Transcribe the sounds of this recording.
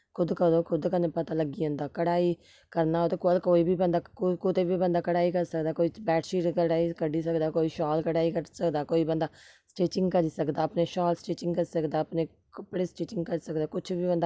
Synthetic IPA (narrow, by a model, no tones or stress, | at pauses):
kʰʊd̪kəɾd̪oːkʰʊd̪kənepət̪aːləɡiːõːnd̪aːkəɽaːiː | kəɾnaːɦoːt̪eːkəlkoːiːbʱiːbənd̪aːkʊt̪eːbiːbənd̪aːkəɽaːiːkəɾsəkd̪aːkoːiːbɛːʈʃiːʈkəɽaːikəɖiːsəkd̪aːkoːiːʃɔːlkəɽaːiːkəɾsəkd̪aːkoːiːbənd̪aːsʈeːt͡ʃɪ̃ŋɡkəɾiːsəkd̪aːəpneːʃɔːlsʈeːt͡ʃɪ̃ŋɡkəɾsəkd̪aːəpneː | kəpɽeːsʈeːt͡ʃɪŋɡkəɾisəkd̪aːkʊt͡ʃʰbiːbənd̪aː